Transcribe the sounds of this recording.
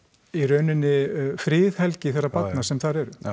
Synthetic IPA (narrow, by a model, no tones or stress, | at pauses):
irœːɥnɪnːɪfɾɪːðhɛlcɪθɛrːapat̪nasɛmθaɾɛɾʏ